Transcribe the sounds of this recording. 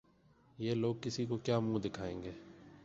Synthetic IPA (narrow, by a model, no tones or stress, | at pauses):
jeːloːɡ̚kɪsiːkokjaːmũːd̪ɪkʰaːẽːŋɡeː